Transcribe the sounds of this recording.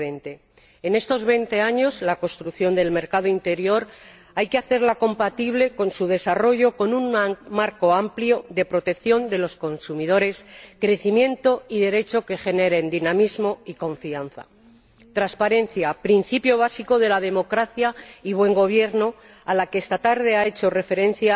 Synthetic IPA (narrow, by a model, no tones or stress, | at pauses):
ent̪e̞ː | ne̞st̪o̞zβe̞jnt̪e̞aɲo̞zlako̞st̪ɾukθjo̞nd̪e̞lme̞ɾkað̞oint̪e̞ɾjo̞ɾ | ajkeaθe̞ɾlako̞mpat̪iβle̞ko̞nsuð̞e̞saro̞ʝo̞ko̞nunmaɾko̞ampljo̞ðe̞pɾo̞t̪e̞kθjo̞nd̪e̞lo̞sko̞nsumið̞o̞ɾe̞skɾe̞θimje̞nt̪o̞iðe̞ɾe̞t͡ʃo̞ke̞xe̞ne̞ɾe̞nd̪inamizmo̞iko̞ɱfianθa̰ | t̪ɾaspaɾe̞n̟θjapɾin̟θipjo̞β̞asiko̞ðe̞lað̞e̞mo̞kɾaθjaiβ̞we̞ŋɡo̞β̞je̞ɾno̞ | alakeest̪at̪aɾð̞e̞ae̞t͡ʃo̞re̞fe̞ɾẽ̞n̟θja